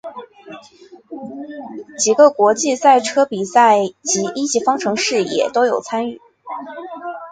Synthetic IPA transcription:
t͡ɕi˨˩ɡə˧kwɔ˧˥t͡ɕi˥˧sa˥˩ɪʈ͡ʂʰɤ˥pi˨˩sa˥˩ɪt͡ɕi˧˥ʔi˥t͡ɕi˧˥fɑ˥ŋʈ͡ʂʰɤ˧˥ŋʂɻ̩˥˩jɛ̰˨˩t̪o˥ʊjo˨˩ʊt͡sʰa˥ny˥˩

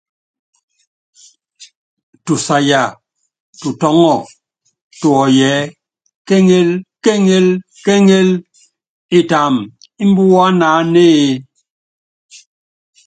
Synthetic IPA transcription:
tu˨sa˨ja˨ | tu˨tɔ˨˦ŋɔ˦˨ | tu˨ɔ˨jɛ˨˦ | ke˦ŋe˦lke˦ŋe˦l | ke˦ŋe˦l | i˦ta˨m | i˦m̩˦bu˦wa˦naː˨˦ne˦e˨˦

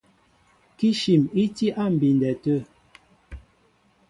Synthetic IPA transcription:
ki˦ʃi˨mi˦ti˦ʔa˦˨m̩˨bi˨n˨dɛ˨tə˦˨

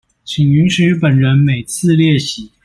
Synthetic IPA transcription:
t͡ɕʰi˨˩ŋy˧˥nʂɻ̩˧˥pə˨˩nɻə˧˥nme˨˩ɪt͡sʰɹ̩˥˧ljɛ˥˩ɕi˧˥˦

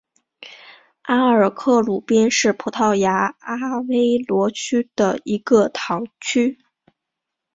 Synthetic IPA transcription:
a˥ə˞˨˩kʰɤ˥˩lu˨˩pjɛ˥nʂɻ̩˥˩pʰu˧˥t̪ʰɑ˥˩ʊja˧˥a˥we˥ɪlwɔ˧˥t͡ɕʰy˥d̪̥ə̰˨i˧˥ɡə˧t̪ʰɑ˧˥ŋt͡ɕʰy˥

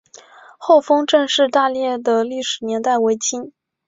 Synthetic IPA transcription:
xo˥˩ʊfɤ˥ŋʈ͡ʂɤ˥˧ŋʂɻ̩˥˧t̪a˥˧ljɛ˥˩d̪ə˩li˥˩ʂɻ̩˨˩njɛ˧˥nt̪a˥˩ɪwe˧˥ɪt͡ɕʰi˥n

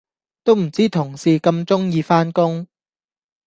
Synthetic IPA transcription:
t̪o˥wm̩˨˩t͡siː˥t̪ʰʊ˨˩ŋsiː˨kɐ˧mt͡sʊ˥ŋjiː˧faː˥nkʊ˥ŋ

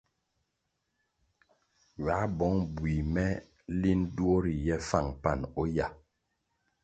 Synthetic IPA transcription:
ɥa˨˦bɔ˨˦ŋbwi˨mɛ˦ | li˦n̩˦dwo˦ɾi˨jɛ˦fa˦˨ŋpa˦˨nɔ˦ja˨

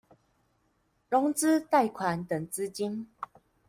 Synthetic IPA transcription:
lɔ˧˥ŋt͡sɹ̩˦t̪a˥˧˨jkʰwa˨˦nt̪ə˨˦ŋt͡s̩˦t͡ɕi˦˥n

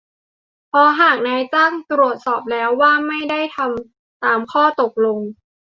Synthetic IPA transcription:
pʰɔ˧ɦaː˨˩k̚naː˧jt͡ɕaː˥˩ŋt̪ɾu˨˩ət̪̚sɔː˨˩p̚lɛː˦˥wːaː˥˩ma˥˩jda˥˩jt̪ʰa˧m | t̪aː˧mkʰɔː˥˩t̪o˨˩k̚lo˧ŋ

